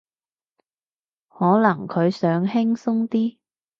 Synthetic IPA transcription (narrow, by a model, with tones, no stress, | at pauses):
hɔː˨˥lɐ˨˩ŋkʰɵ˨˧ɥsœː˨˥ŋɦɪ˥ŋsʊ˥ŋt̪iː˥